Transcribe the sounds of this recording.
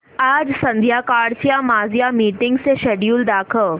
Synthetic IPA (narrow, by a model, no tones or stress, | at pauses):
aːd͡ʒsɐ̃nd̪ʱjakaːɽt͡ʃjamaːzjamiːʈɪ̃ŋɡseʃeɖjuːld̪aːkʰəl